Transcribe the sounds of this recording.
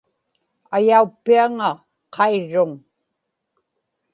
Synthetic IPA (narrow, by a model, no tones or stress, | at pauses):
ajaupːiaŋa | qʰɑiɻːʊŋ